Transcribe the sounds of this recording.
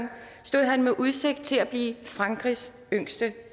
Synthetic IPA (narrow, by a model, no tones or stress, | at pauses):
n | sd̥o̝ð̰ˠɦænmeʔuð̞ˠse̝ɡ̥̚d̥̚t͡sʰe̝læb̥liːfʁɑ̈ŋɡ̥ʁis | øŋ̰sd̥ə